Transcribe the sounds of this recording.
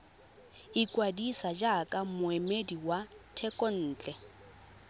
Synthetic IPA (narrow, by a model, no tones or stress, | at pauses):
ikʼwadisad͡ʒakʼamʊemediwatʰɛkʼɔn̩ːt͡ɬʼɛ